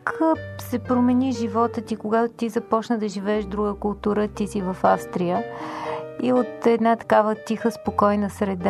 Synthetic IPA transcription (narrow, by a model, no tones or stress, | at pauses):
ksɛpɾomɛniʒivɔt̪ət̪ikoɡat̪ot̪izɐpɔt͡ʃnəd̪ɐʒivɛːʃd̪ɾuɡəkʊlˠt̪uɾət̪isivəfafst̪ɾijə | iot̪ɛd̪nat̪ɐ̥kavət̪ixəspokɔjnəsɾɛd̪a